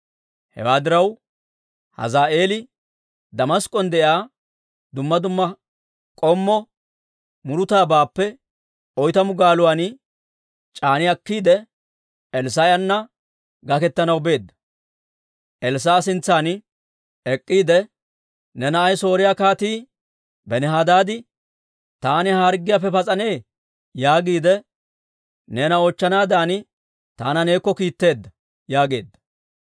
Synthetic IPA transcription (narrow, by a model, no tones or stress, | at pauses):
hɛ̰waːd̪ɪɾɐw | hɐ̰zaːʔe̞ːlɪ | d̪ɐmɐskʼːɔnd̪ɛʔɪaː | d̪ʊmːɐd̪ʊmːɐ | kʼɔmːɔ | mʊɾʊt̪aːbaːpːɛ | ɔjt̪ɐmʊɡaːlʊwan | t͡ʃʼaːnɪɐkːiːd̪ɛ | ɛls̬ɐjɐnːɐ | ɡɐkɛt̪ːɐnɐwbe̞ːd̪ːɐ̥ | ʔɛls̬aːsɪnt͡sːaːn | ɛkʼːiːd̪ɛ | nɛnɐɐjso̞ːɾɪjakaːt̪iː | bɛnɛɦad̪aːd̪ɪ | t̪aːnɪhaːɾɡɪjapːɛpɐt͡sʼɐne̞ː | jaːɡiːd̪ɛ | neːnɐot͡ʃːɐnaːd̪aːnɪ | t̪aːnɐne̞ːkːɔkiːt̪ːe̞ːd̪ːɐ | jaːɡe̞̰ːd̪ːɐ̥